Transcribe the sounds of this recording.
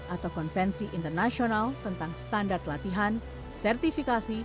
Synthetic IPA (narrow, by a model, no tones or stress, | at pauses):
ʔat̪awkɔnfɛnsiʔint̪ərnasionalt̪ənt̪aŋst̪andart̪lat̪iɦan | sɛrt̪ifikasi